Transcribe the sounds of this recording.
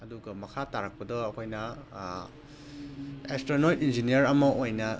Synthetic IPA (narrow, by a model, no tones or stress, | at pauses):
ɐduɡɐmɐkʰataɾɐk̚pɐdɔɐkʰojnɐ | ekstɾonojtind͡ʒinijɐɾɐmɐʔojnɐ